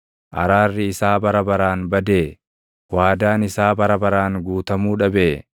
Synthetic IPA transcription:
ʔɐ̰ɾaːrːɪɪsaːbɐɾɐbɐɾaːnbɐd̪eː | waːd̪aːnɪsaːbɐɾɐbɐɾaːŋɡuːt̪ɐmuːᶑɐbeː

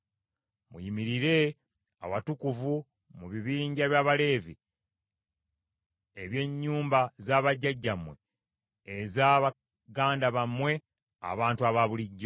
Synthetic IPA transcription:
mujimiɾiɾe̞ | a̰watukuvu | muβiβiːɲɟaβjaːβale̞ːvi | eβje̞ɲːuːmbazaːβaɟːaɟːamwe̞ | ezaβa | ɡaːndaβamwe̞ | a̰βaːntuaβaβuliɟːo

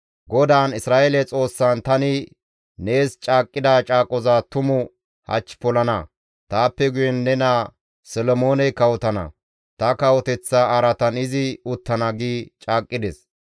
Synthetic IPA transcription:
ɡɔd̪aːnɪsɾaːʔelɛt͡sʼo̞ːsːɐnt̪ɐnɪ | ne̞ːst͡ʃʼaːkʼːɪd̪aːt͡ʃʼaːkʼɔzat̪ʊmʊ | hɐ̰t͡ʃːpɔlɐnɐ | t̪aːpːɛɡʊjɛnːɛna | sɛlɔmo̞ːnɛkɐwɔt̪ɐnɐ̰ | t̪ɐkɐwɔt̪ɛt͡sːɐɐɾɐt̪ɐnɪzɪʊt̪ːɐnɐɡiːt͡ʃʼaːkʼːɪd̪ɛs

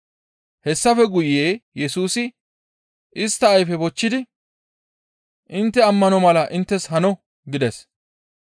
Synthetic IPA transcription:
hɛsːɐfɛɡʊjeːjɛsuːsɪ | ʔɪst̪ːɐːjfɛbɔt͡ʃːɪd̪ɪ | ʔɪnt̪ːɛɐmːɐnɔmɐlɐʔɪnt̪ːɛshɐnɔ | ɡɪd̪ɛs

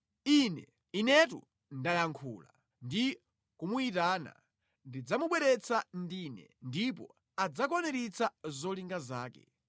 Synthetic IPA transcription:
inɛ | inɛt̬ṵ | ndajaŋkʰṵːla̰ | ndi | kumuitaːna̰ | ndid͡zamuɓwɛɾɛt͡sʰandinɛ̰ndipɔ̰ | ad͡zak̬ɔnɛɾit͡sʰazɔliŋɡazaːkɛ̰

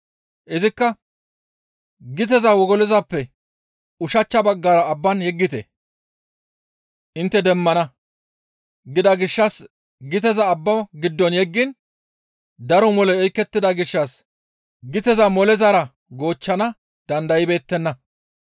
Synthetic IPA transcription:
ʔɪzɪkːɐ | ɡɪt̪̬ɛzɐwɔɡɔlɛzɐpːɛ | ʊʃɐt͡ʃːɐbɐɡːaːɾɐːbːɐnjɛɡːɪt̪ɛ̰ | ʔɪnt̪ːɛd̪ɛmːɐnɐ | ɡɪd̪ɐɡɪʃːɐs | ɡɪt̪ɛzɐːbːɐwɡɪd̪ːɔnjɛɡːɪn | d̪ɐɾɔmɔlɛɔjkːɛt̪ːɪd̪ɐɡɪʃːɐs | ɡɪt̪ɛzɐmɔlɛzɐɾɐ | ɡo̞ːt͡ʃːɐnɐ | d̪̥ɐnd̪ɐjɪbe̞ːt̪ːɛnːɐ

